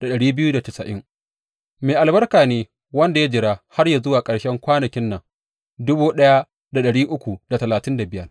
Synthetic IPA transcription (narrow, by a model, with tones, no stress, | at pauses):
d̥a˨ɗɐ˨ɽiː˦bɪ˦juː˦da˨tɪ˨sɐ̰˨ʔɪ̰˦ŋ | meː˨ʔa˨lbɐ˦rkaː˨neː˦ | wɐ˦nda˨ja˦d͡ʒɪ˨ɾaː˦ha˦rja˨zʊ˦waː˨kʼɐ˨ɽʃɛ˦ŋkʷaː˦nɐ˨kʲɪ˦nːɐ˨ŋ | dʊ˦buː˦ɗɐ˦ja˦ | da˨ɗɐ˨ɽiː˦ʔʊ˦kʷu˨da˨tɐ˨laː˨tɪ˦nda˨bɪ˦jɐ˦r